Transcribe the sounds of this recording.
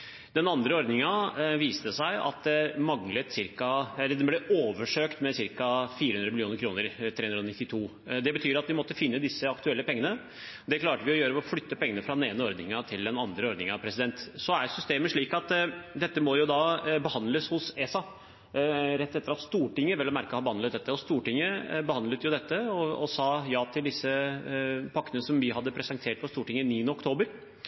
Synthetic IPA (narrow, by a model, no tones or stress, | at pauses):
d̪ɛnɑnd̪ɾəɔɾd̪nɪŋɑʋiːst̪əsæɪɑ̰t̪̚d̪ɛmɑŋlət̪sɪɾkɑɛlːəɖ̪ɛnblɛoːʋəʂøːkt̪mɛsɪɾkɑfiːɾəhʉnɾəmɪljuːnəɾkʰɾuːnəɾt̪ʰɾeːʉnɾəɔnɪt̪ːɪt̪ʰuː | d̪ɛbət̪ʰyːɾɑt̪ʋɪmɔt̪ːəfɪnːəd̪ɪsːəɑkt̪ʉɛlːəpʰɛŋːənə | d̪ɛkʰlɑːʈəʋɪɔjøːɾəɔflʏt̪ːəpʰɛŋːənəfɾɑd̪neːnəɔɾd̪nɪŋɑt̪ʰɪld̪ɛnɑnd̪ɾəɔɾd̪nɪŋɑpʰɾɛsɪd̪ɛnt̪sɔæɾsʏst̪eːməʂɭiːkɑt̪d̪ɛt̪ːəmɔjʊd̪ɑːbəhɑnd̪ləshʊsɛːsɑ | ɾɛt̪ːɛt̪ːəɾɑt̪st̪uːʈɪŋːəʋɛlːmæɾkəhɑːbəhɑnd̪lət̪̚d̪ɛt̪ːəɔst̪uːʈɪŋːəbəhɑnd̪lət̪jʊd̪ɛt̪ːəɔɔsɑːjɑːt̪ʰɪld̪ɪsːə | pʰɑkːənəsɔmʋɪhɑd̪ːəpʰɾɛsənt̪ʰeːʈ̚pʰɔst̪uːʈɪŋːəniːənəɔkt̪ʰoːbəɾ